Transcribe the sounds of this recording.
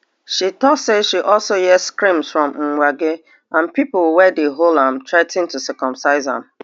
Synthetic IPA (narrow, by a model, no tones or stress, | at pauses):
ʃitɔseʃiʔɔlsojɛskɾĩmsfɹɔ̃mŋ̩ŋʷaɡe | ãnpipʊlwɛdeɦolãm̩tɹaɪtĩntusɛkɔ̃msaɪzã̰m̩